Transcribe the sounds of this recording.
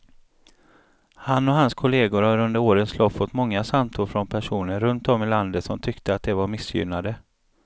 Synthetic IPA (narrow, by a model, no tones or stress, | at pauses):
hanːɔɦanskʰʊleːɡʊɾhaɾɵnd̪əɾoːɾənslɔfːɔt̪ːmɔŋːasamt̪ʰʊɾfɾɔnpʰæʂuːnəɾɾːɵnt̪ɔmːɪland̪ət̪sɔmt̪ʰʏkt̪əat̪̚d̪ɛvaɾmɪsjʏ̰mnad̪ə